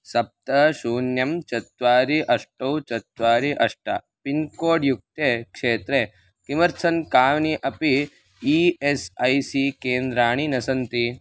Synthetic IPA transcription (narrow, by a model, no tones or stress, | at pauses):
sɐp̚t̪ɐʃuːnjɐmt͡ʃɐt̪ʋaːɾiʔɐʂʈɐwt͡ʃɐt̪ʋaːɾiʔɐʂʈɐ̰ | pinkoːɖjuk̚t̪ekʂeːt̪ɾe | kimɐɾsʰɐnkaːʋniʔɐpiː | esɐjsikeːnd̪ɾaːɳ̃inɐsɐnt̪i